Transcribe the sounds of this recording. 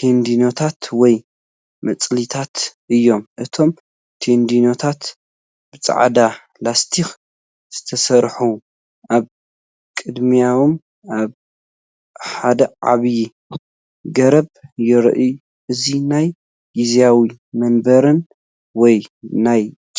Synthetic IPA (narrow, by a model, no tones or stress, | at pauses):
t̪ʰend̪ino̞t̪ʰat̪wɔj | mɐt͡sʼlit̪ʰat̪ʔɨjːo̞mʔɨt̪ʰo̞m | t̪ʰend̪ino̞t̪ʰat̪ | b̥ɨt͡sʼa̰ʕd̪a | last̪ʰix | z̥ɨt̪ʰɐsɐɾħu | ʔaβ | kʼɨd̪mijawom | aβ | ħad̪ɐʕa̰βji | ɡɐɾɐβjɪɾ̰ʔɨju | ʔɨzinaj | izjawi | mɐnbɐɾɨn | wɔjnaj | t͡ʃʼ